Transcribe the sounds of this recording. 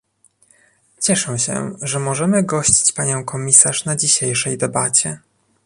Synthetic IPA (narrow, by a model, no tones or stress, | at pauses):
t͡ɕɛʂɛ̃ɕɛ̰ʐɛmɔʐɛmɘɡɔɕt͡ɕi̥t͡ɕpaɲɔ̃w̃kɔmʲisaʂnad͡ʑiɕejʂɛjd̪ɛbat͡ɕɛ